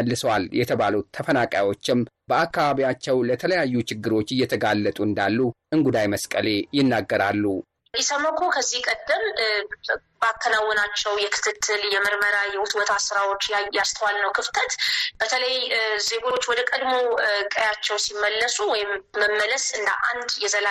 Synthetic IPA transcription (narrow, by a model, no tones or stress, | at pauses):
əlːɨsəwaljɛt̪ʰəβalut̪ʰəfənakʼa̰jwo̞t͡ʃːɪm | bəakːaβaβiat͡ʃːɛwlət̪ʰələjajːut͡ʃɪɡːɨɾo̞t͡ʃːɪjːɛt̪ʰəɡalːət̪ʼuɨnd̪alːuʔɨŋɡud̪ajməskʼəle̞jɪnːaɡːəɾalːu | isəməkʰokʰəzːihkʼəd̪ːəm | bakːənawːɔnat͡ʃːɛwjɛkʰɨ̥t̪ʰɨt̪ʰːɨljɛməɾməɾajɛwʊt̪ʼwɔt̪ʰasɾawo̞t͡ʃːjast̪ʰəwalnəwkʰɨft̪ʰət̪b̥ət̪ʰələjzeɡuɾo̞t͡ʃːwɔd̪əkʼəd̪mo̞kʼəjat͡ʃːɛwsimːəlːəsuwɔjɪmːəmːələsɨnd̪ə̰ʔa̰nd̪jɛzəla